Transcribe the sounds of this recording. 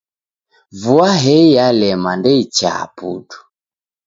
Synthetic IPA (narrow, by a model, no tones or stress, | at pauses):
vuaɦɛijalɛmandɛit͡ʃa̰pṵtu̥